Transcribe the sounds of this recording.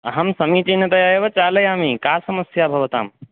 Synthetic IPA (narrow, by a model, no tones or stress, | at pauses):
ɦɐmsɐmit͡ʃinɐt̪ɐjaeʋɐt͡ʃaːlɐjamikaːsɐməsjabʱɐʋɐt̪a̰ːm